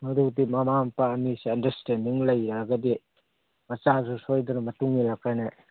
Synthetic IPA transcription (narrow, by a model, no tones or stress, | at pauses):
mɐɾudimɐmampɐːmisiɐndɐɾstendiŋlɐjɾaɡɐdi | mɐt͡ʃazusojdunɐmɐtuŋilakajnɐ